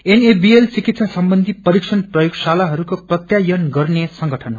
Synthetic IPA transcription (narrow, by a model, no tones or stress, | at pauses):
enebielt͡sikit̪sʰasʌmbʌnd̪ʱipʌɾiksʌnprʌjoɡsalaɦʌɾukoprʌt̪jajʌnɡʌrnesʌŋɡʌʈʰʌn